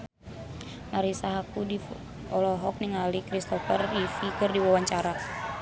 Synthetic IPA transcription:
naɾisaɦakudi | ɔlɔɦɔk̚niŋalikɾist̪ɔfərifikɨrdiwawaɲt͡ʃaɾa

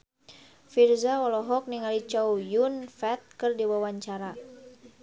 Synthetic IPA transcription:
firzaɔlɔɦɔk̚niŋalit͡ʃawjunfɛt̪̚kɨrdiwawaɲt͡ʃaɾa

